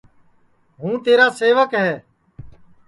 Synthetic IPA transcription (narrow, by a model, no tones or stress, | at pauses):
ɦũːt̪eːɾaːseːʋəkɦɛː